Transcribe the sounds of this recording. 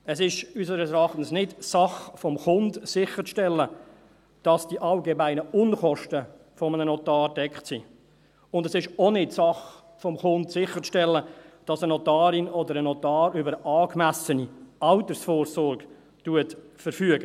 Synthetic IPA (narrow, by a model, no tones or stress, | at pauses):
ɛsɪʃys̬əɾəs̬ɛɾɑχtn̩snɪtsɑχfɔmχʊndsɪχət͡sʃtɛlːə | d̥ɑsd̥iʔɑlɡemæɪnəʊnχɔʃtə | fɔmənənɔtɑːɾdɛkχtsi | ʊndɛsɪʃonɪtsɑχ | fɔmχʊntsɪχəʃtɛlːəd̥ɑsənɔtɑːɾɪnɔdəɾənɔtɑːɾybəɾəʔɑːkmæsəniɑltəɾsfɔːɾsɔɾɡ̥ | tuətfəɾfyəɡə